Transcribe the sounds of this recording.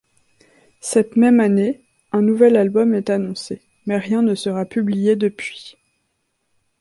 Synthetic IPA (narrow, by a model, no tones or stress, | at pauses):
sɛt̪mɛmane | ɛ̃nuvɛlalbɔmɛt̪anɔ̃se | mɛʁjɛ̃nəsəʁapyblijed̪əpɥi